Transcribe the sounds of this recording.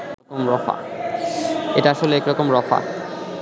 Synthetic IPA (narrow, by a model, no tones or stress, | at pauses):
ɔkomɾɔfa̰ | eʈaaʃolekɾɔkomɾɔfa̰